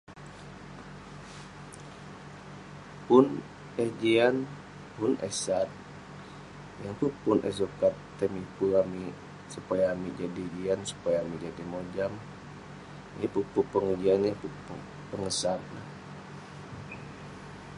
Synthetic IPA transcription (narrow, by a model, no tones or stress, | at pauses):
pʊn | ɛhd͡ʒian | pʊnɛ̰sat̪̚ | jaŋt̪upʊnʔɛ̰sokat̪ːɛmipuami | supajaːmid͡ʒadid͡ʒiansu̥pajaːmid͡ʒadimod͡ʒam | apupupəŋud͡ʒianjaŋpupu | pəŋəsanla